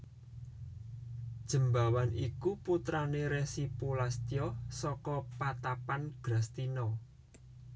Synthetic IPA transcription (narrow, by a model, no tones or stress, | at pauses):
d̥ʒ̥ə̤mbawanikuput̪ɾaneɾɛsipulast̪ijɔsɔkɔpat̪apanɡ̥ɾa̤st̪inɔ